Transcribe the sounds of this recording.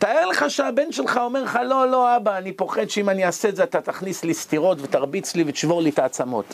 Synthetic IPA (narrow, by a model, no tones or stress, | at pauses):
t̪aeʁle̞χaʃeabe̞nʃelχao̞me̞ʁleχalo̞lo̞abaːnipo̞χed̪ʃeimaniaseedzeat̪at̪aχnislist̪iʁo̞tvet̪aʁbit͡slivet̪i̥ʃvo̞ʁlit̪aːt͡samo̞̰t̪